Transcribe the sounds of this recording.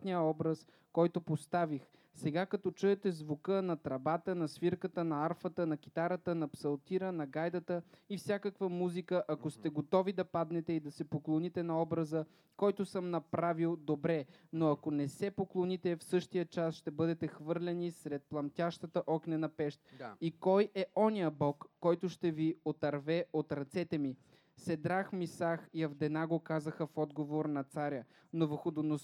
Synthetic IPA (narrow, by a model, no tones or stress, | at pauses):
nijəɔbɾəs | kɔjt̪opost̪avix | sɛɡakɐt̪ɔt͡ʃuɛt̪ɛzvukənɐt̪ɾɐbat̪ənɐsviɾkət̪ənɐaɾfət̪ənɐk̟i̥t̪aɾət̪ənɐpsɐlˠt̪iɾənɐɡajd̪ət̪əifsʲjakəkvəmuzikəʔɐkost̪ɛɡot̪ɔvid̪ɐpad̪nɛt̪ɛid̪ɐsɛpoklˠonit̪ɛnɐɔbɾəzə | kɔjt̪osəmnɐpɾavilˠd̪obɾɛ | noɐkonɛsɛpoklˠonit̪ɛfsɤʃt̪ijət͡ʃasʃt̪ɛbɤd̪ɛt̪ɛxvɤɾlʲɛnisɾɛt̪̚plˠɐmt̪ʲaʃt̪ət̪əʔɔknʲɛnɐpɛʃt̪̚ikɔjɛɔnijəbɔkːɔjt̪ʊʃt̪ɛviot̪ɐɾvɛot̪ɾɐt̪sɛt̪ɛmi | sɛd̪ɾaxmisaxiɐvd̪ɛnaɡokazəxəfɔd̪ɡovoɾnɐt̪saɾʲə | novəxod̪onos